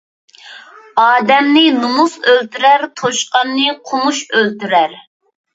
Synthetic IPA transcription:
ɑːd̪ɛmnɪnumusølt̪yɾæɾt̪ʰoʃqɑnːɨqʰʊmuʃølt̪yɾæɾ

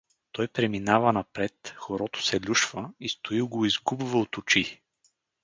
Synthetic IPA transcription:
t̪ɔjpɾɛminavɐnɐpɾɛt̪xoɾɔt̪ʊ̥sɛlʲuʃvəist̪oilˠɡoizɡubvɐot̪ʊt͡ʃi

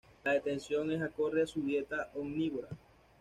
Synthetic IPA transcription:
laðe̞t̪e̞nsjo̞ŋesako̞reasuβje̞t̪aʔoɡniβoɾa

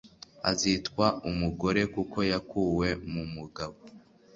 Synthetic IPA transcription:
a̰zitkwaumuɡo̞ɾe̞kukʰo̞jakuːwe̞mumuɡaβo

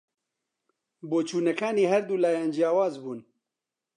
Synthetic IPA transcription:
boːt͡ʃʰuːnɛkʰaːniːɦɛɾd̪uːlaːjaːnd͡ʒijaːwaːzbuːn

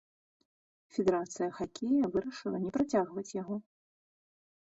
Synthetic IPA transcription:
fʲɛd̪ɛɾat̪sɨjɐxakʲejɐvɨɾɐʂɨlˠɐnʲɛpɾat͡sʲaɣvɐt͡sʲjaɣɔ

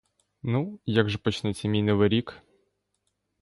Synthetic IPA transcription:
nujaɡʒɛpɔt͡ʃnɛsʲɐmʲijnɔʋɪɾʲik

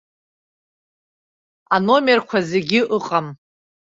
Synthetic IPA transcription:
ano̞merkʷʰazeɡʲɪʔɨqʼam

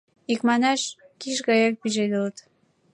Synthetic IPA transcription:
ikmɑnɑʃ | kiʃ̬ɣɑjɑk̚piʒed̪ulət̪

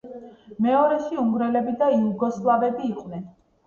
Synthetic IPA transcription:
mɛɔɾɛʃiuŋɡɾɛlɛbid̪aiuɡɔslˠavɛbiːqʼnɛn

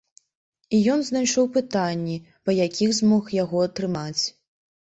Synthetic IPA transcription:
ijɔnznajʂɔwpɨt̪anʲːi | pɐjakʲʰixzmɔxjaɣɔɐt̪ɾɨmat͡sʲ

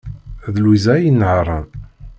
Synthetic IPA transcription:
ðlwizæjənːʕɾˤən

